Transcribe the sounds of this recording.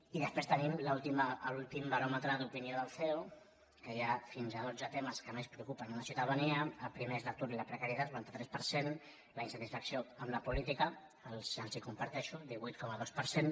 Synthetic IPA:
iðəspɾest̪ənimlaulˠt̪iməːlulˠt̪imbɐɾomət̪ɾəd̪upinioðəlˠθɛw | kəjafinzaðod͡zət̪eməskəmespɾəukupənunasiut̪aðaniəːlpɾimezlək̚t̪uɾilɐpɾəkaɾjət̪at̪uant̪ət̪ɾɛspəɾsen | lainsət̪isfəksioəmləpulit̪ikəː | lzəlˠzikumpəɾt̪ɛʃud̪iβujt̪̚kɔməðospəɾsen

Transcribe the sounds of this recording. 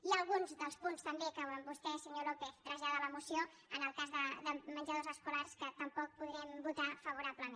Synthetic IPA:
iəlˠɣunzðəlˠspunst̪əmbekəβmbust̪ɛsəɲolopɛθt̪ɾəʒaðələmusio | ənəlˠkazðəðəmənd͡ʒəðozəskularskət̪əmpɔk̚puðɾɛmbut̪afəβ̞uɾaβləme

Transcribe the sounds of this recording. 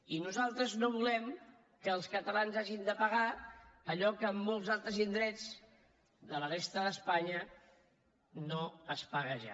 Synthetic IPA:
inuzalˠt̪ɾəznoβ̞ulɛm | kəːlˠskət̪əlanzaʒind̪əpəɣaːʎɔkəːmːolˠzalˠt̪ɾəzind̪ɾɛd͡z | ðələrest̪əðəspaɲə | noəspaɣəʒa̰

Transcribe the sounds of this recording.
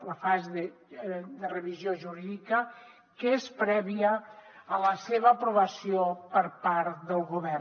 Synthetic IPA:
ləfazeðəd̪ərəβizjoʒuɾiðikə | kəespɾɛβiəːləseβəːpɾuβəsijopəɾpaɾt̪d̪əlˠɣuβɛr

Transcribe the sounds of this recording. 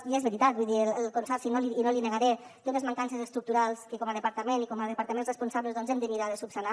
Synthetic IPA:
iezβəɾit̪at̪̚buiðiələlˠkonsɔɾsinoliːnolineɣaɾe | t̪ot̪ezmaŋkansezəst̪ɾuk̚t̪uɾalˠskəkɔməðəpaɾt̪əmenikɔməðəpaɾt̪əmenzrespunsaβləzðɔnzɛmd̪əniɾaðəsupsana

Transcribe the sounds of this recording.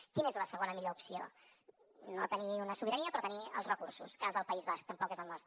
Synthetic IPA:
kinezləsəɣ̞onəmiʎoupsio̰ | not̪əniunəsuβiɾəniəpɾt̪əniə̰lˠzrəkursṵskazðəlˠpəizβask̚t̪əmpɔkezəlˠnɔst̪

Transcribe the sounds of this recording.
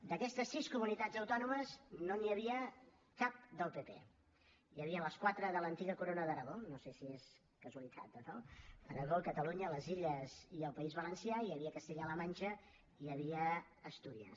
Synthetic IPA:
d̪əkɛst̪əsːiskumunit̪ad͡zəwt̪ɔnuməznoniəβiə | kap̚d̪əlˠpepḛ | jəβiələskwat̪ɾəðələnt̪iɣəkuɾonəðəɾəɣonosesies | kəzuəlit̪ʰa̰t̪̚əɾɔəɾəɣokət̪əluɲələziʎəz̥iəlˠpəizβələnsiaiəβiəkəst̪eʎələmanʲt͡ʃə | iəβ̞iəː | st̪uðiə̰

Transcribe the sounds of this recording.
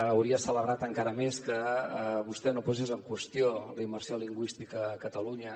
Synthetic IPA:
əwɾiəsələβɾat̪əŋkaɾəmeskəəβust̪ɛnopɔsezəŋkwəst̪ioləimərsioliŋɡwist̪ikəːkət̪əluɲə

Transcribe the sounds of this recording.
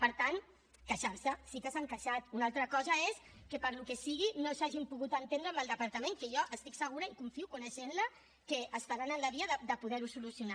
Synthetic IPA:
pəɾt̪an | kaʃaɾsəsikəsaŋkəʃat̪unalˠt̪ɾəkɔzəeskəpəɾlukesiɣinosaʒimpuɣut̪ənt̪end̪ɾəməlˠd̪əpaɾt̪əmẽŋkəʒɔʔəst̪iksəɣ̞uɾəikuɱfiukunəʃenlə | kəəst̪aɾanənləβiəðəd̪əpuðɛɾusulusiuna

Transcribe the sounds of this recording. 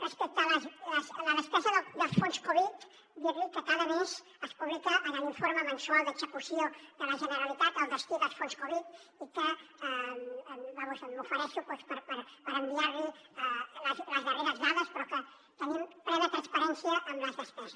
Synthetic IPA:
rəspɛk̚t̪ələzləsləðəspɛzəðəd̪əlˠsfonskoβit̪ | d̪iɾikəkaðəmez | əspuβlikəʔːnaliɱfoɾməmənsualˠd̪əɡzəkusjoðələʒənəɾalit̪at̪əlˠðəst̪iðəlˠsfonskoβit̪ | ikə | bamusəmmufəɾɛʃupwespəɾpəɾpəɾəmbiaɾli | ləzləzβəreɾəzðaðəspɾɔkə | t̪ənimpɾɛβet̪ɾanspaɾɛnsjəʔːmləzðəspɛzə

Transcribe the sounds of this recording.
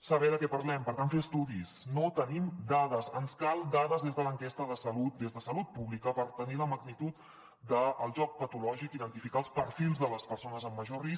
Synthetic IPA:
səβɛðəkɛpəɾlɛmpəɾt̪anfeəst̪uðisnot̪ənimd̪aðəzənskalˠd̪aðəzðezðələŋkest̪əðəsəlut̪̚d̪ezðəsəlut̪̚puβlikəpəɾt̪əniləməɡnit̪ut̪ | d̪əːlˠʒɔk̚pət̪ulɔʒikiðənt̪ifikaːlˠspəɾfilˠzðələspəɾsonəzəmːəʒoris

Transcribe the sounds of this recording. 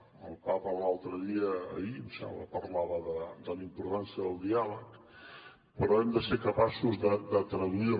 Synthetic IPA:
əlˠpapəlalˠt̪ɾəðiə̰ːimsɛ̰mblə̰pəɾlaβəðəd̪əlimpuɾt̪ansiəðəlˠd̪ialək | pəɾɔɛmd̪əseɾkəpasuzðəd̪ət̪ɾəðui

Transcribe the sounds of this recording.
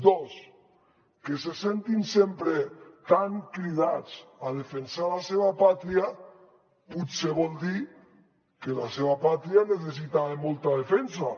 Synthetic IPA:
d̪os | kesesent̪insempɾet̪aŋkɾiðat͡sað̞efensalaseβapat̪ɾia | put̪seβɔlˠd̪i | kelaseβapat̪ɾianeθ̬es̬it̪aemolˠt̪að̞efens̬a

